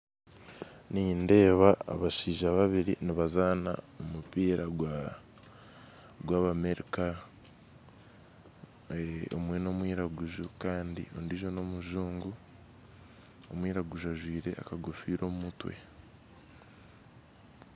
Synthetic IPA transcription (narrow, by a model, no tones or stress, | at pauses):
ninde̞ːβaa̰βaʃiːʒaβaβiɾiniβazaːna̰ | omupiːɾaɡ | ɡwaːβame̞ɾika | o̰mwe̞no̞ːmwiːɾaɡuʒukaːndḭo̞ndiʒo̞no̞muʒuːŋɡu | omwiːɾaɡuʒuaʒwiːɾe̞a̰kaɡofiːɾo̞ːmumutwe̞̰